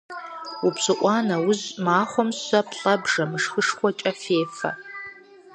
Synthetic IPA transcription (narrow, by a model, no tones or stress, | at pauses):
upsɨʔʷʼɑːnɐwʊzmaːχʷɔmɕɐpʰɬʼɐbʐɐmɨʂxɨʂχʷɔt͡ʃʼɐfeːfɐ̰